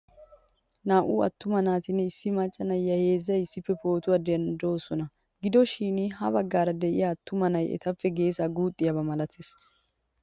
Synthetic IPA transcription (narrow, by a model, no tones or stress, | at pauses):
naːʔuːɐ̰t̪ːʊmɐnaːt̪ɪnɪsːɪmɐt͡ʃʼːɐnɐjːɐhe̞ːzːɐjɪsːɪpːɛpo̞ːt̪ʊwɐd̪ɛnd̪oːsɔnɐ | ɡɪd̪ɔʃiːnɪhɐbɐɡːaːɾɐd̪ɛʔɪ̰jaːt̪ːʊmɐnɐjɛ̰t̪ɐfːɛɡe̞ːsɐɡuːt̪ʼːɪjɐbɐmɐlɐt̪ʰɪs